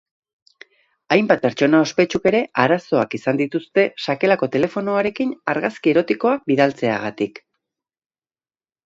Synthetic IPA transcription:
ajmbat̪̚pe̞ɾt͡ʃo̞nao̞spe̞t͡ʃuke̞ɾe̞ʔaɾaso̞akisand̪it̪ust̪e̞ʃake̞lako̞t̪e̞le̞fo̞noaɾe̞kinaɾɣaskie̞ɾo̞t̪iko̞ak̚biðalt͡se̞a̰ɣat̪ik

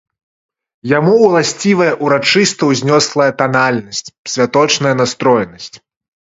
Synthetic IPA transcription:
jamuwlˠasʲt͡sʲivɐjɐʔuɾat͡ʂɨst̪ɐwzʲnʲɔslˠɐjɐt̪analʲnɐsʲt͡sʲsʲvʲat̪ɔt͡ʂnɐjɐnast̪ɾɔjnɐsʲt͡sʲ

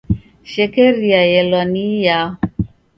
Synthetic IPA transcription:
ʃɛkɛɾiajɛlɔnija

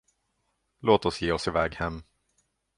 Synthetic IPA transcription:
loːt̪ɔsjeːɔsɪvɛːɡhɛmː

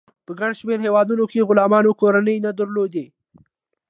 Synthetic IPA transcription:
pəɡaɳʃmeɾɦewɑd̪unokeɣʊlɑmɑnokoɾanəjnad̪əɾlod̪e

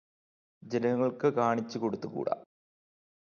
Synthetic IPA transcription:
d͡ʑenɐŋːɐɭkɨkaːɳit͡ɕːuko̞ɽut̪ːukṵːɽa̰

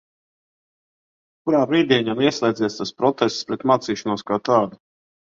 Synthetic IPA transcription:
kuɾaːbɾiːd̪ʲiɛɲamiɛslˠʲɛːd̪zɛst̪aspɾɔt̪ɛst̪spɾɛt̪maːt̪siːʃanuɔskaːt̪aːd̪u

